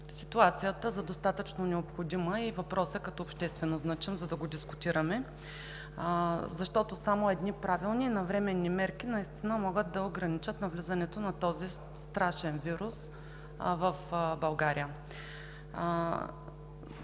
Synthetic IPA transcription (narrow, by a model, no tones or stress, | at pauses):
sit̪uat̪sijət̪əzɐd̪ost̪at̪ət͡ʃnonɛopxod̪iməivɐpɾɔsɛkɐt̪ɔːpʃt̪ɛst̪vɛnoznat͡ʃɛnzɐd̪ɐɡod̪iskʊt̪iɾɐmɛ | zɐʃt̪ɔt̪osamoɛd̪nipɾavilˠninɐvɾɛmɛnːimɛɾkinɐist̪inəmɔɡət̪̚d̪ɐoɡɾɐnit͡ʃət̪nɐvlʲizɐnɛt̪onɐt̪ɔzi | st̪ɾaʃɛnviɾus | vəfbɐlˠɡaɾijə